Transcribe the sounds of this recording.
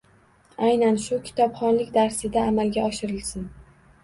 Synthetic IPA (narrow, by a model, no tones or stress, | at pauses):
ajnanʃʊkʲʰɪ̥t̪ʰɒpχɒnlɪkʲd̪aɾsɪd̪aːmalɡʲaɒʃɪɾɪlsɪn